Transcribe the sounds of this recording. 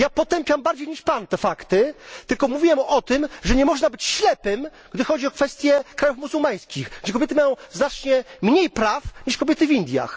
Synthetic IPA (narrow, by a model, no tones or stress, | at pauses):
japɔt̪ɛmpʲjambaɾd͡ʑejɲiʂpant̪ɛfakt̪ɘt̪ɘlkɔmuvʲiwɛmɔt̪ɘmʐɛɲɛmɔʐnabɘt͡ɕɕlɛpɘm | ɡd̪ɘxɔd͡ʑiɔkfɛst̪ʲjɛkɾajufmuzumaj̃skʲixɡd͡ʑɛkɔbjɛt̪ɘmajɔ̃w̃znat͡ʂɲɛmɲejpɾafɲiʂkɔbʲjɛt̪ɘvʲind̪ʲja̰x